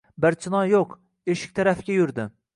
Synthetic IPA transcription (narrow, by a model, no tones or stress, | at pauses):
bɪɾt͡ʃʰɪnɒjoq | eʃɪ̥k̚ʲt̪ʰaɾafɪɡʲajʊɾd̪ɪ